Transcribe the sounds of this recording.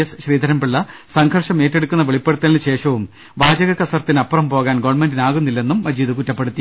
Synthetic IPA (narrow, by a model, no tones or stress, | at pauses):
ɐsɕriːd̪ʱɐɾɐmbiɭːɐsɐŋɡʰʱɐrʂɐme̞ːtːe̞ɽukːunːɐʋeɭipːe̞ɽut̪ːɐlinɕe̞ːʂɐʋum | baːd͡ʑɐɣɐkːɐsɐrt̪ːinɐpːɐrɐmpo̞ːɣaːnɡoːʋɐnɳme̞ndinaːɣunːilːe̞nːumːɐd͡ʑiːðɨkutːɐpːe̞ɽut̪ːi